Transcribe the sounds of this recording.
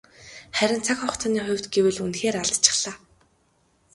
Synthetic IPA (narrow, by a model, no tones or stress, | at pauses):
χæɾʲɪ̆nt͡sʰakχɔχt͡s̪aniːχʊ̟wʲt̪ɡewɘ̆ɮunxeːɾaɮt͡ɕʰɪ̥̆χɮ̥aː